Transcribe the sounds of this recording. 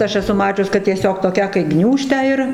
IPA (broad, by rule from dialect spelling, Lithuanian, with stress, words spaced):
ˈɐʃ ɛˈsʊ ˈmɑːt͡ʃʲʊs kɐt tʲiɛˈsʲoːk toːˈkʲæː kɐɪ ˈɡnʲuːʃʲtʲæː ɪr